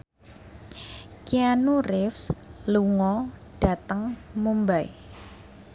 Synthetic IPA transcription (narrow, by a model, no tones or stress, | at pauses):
kianurɪfsluŋɔɖ̥a̤t̪əŋmumbaḭ